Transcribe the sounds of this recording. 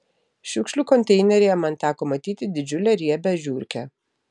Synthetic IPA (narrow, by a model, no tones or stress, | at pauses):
ʃʲʊkʃʲlʲuːkɔnʲt̪ʲɛɪnʲɛɾʲɛjɛmɐnt̪ʲæːkoːmɐt̪ʲiːt̪ʲɪd̪ʲɪd͡ʒʲʊlʲɛɾʲiɛbʲɛʒʲuːɾʲkʲɛ